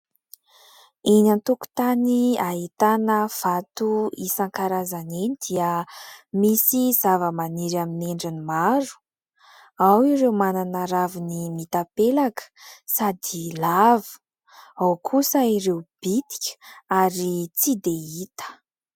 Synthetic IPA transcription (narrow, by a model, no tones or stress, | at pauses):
inant̪uku̥t̪aniait̪anəv̥at̪uisaŋkaɾazanenid̪̥iəmisizavəmaniɾamineɳɖ͡ʐinimaɾu̥ | awiɾewmananaɾavinimit̪apelakə̥sad̪ilavu̥ | awkʰusəiɾewb̥it̪i̥kʲə̥aɾit͡sid̪eit̪ə̥